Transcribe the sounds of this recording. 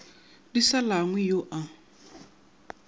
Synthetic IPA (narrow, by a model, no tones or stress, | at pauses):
disalaŋwɛjoʔa